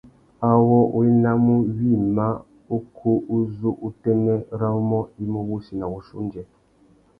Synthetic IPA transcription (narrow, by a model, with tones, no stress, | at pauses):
a˨wɔ˦ʔu˦i˦na˦mu˦wi˦˨ma˦ | u˦kʰu˦ʔu˦zu˦ʔu˦tɛ˦nɛ˦ɾa˦u˦mɔ˦i˦mo˦wu˦si˨na˨wu˨ʃṵ˦nd͡ʒɛ˨